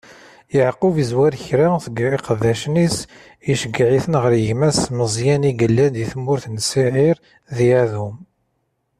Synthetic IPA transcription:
jəʕqʊvizwæɾçɾaθəɡiqəðːæʃnis | iʃəɡʕiθənʁəɾjəʝmæsməzˤjæniɡəlːænd̪iθmːʊɾθnsiʕiɾ | ðiæðum

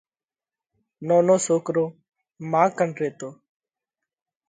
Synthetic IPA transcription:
noːnoːsoːkɾoː | mãːkəɳɾeːt̪oː

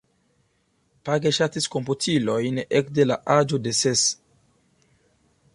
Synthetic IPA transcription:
paɡeʃat̪iskomputʰilojnɛkdela̰ʔad͡ʒudeses

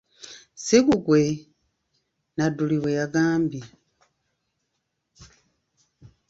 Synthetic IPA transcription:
sikuɡwe̞ | naduliwejaɡaːmbi

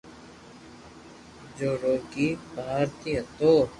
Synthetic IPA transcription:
d͡ʒoːɾoːkiːbʱaːɾt̪ijɐt̪oː

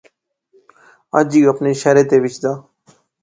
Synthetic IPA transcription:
ə̰d͡ʒiːəpneːʃaːɾeːt̪eːʋɪt͡ʃd̪aː

